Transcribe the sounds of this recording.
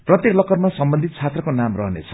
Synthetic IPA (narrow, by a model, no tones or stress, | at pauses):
prʌt̪jeklʌkʌrmasʌmbʌnd̪ʱit̪̚t͡sʰat̪rʌkonamrʌɦʌnḛt͡sʰʌ̥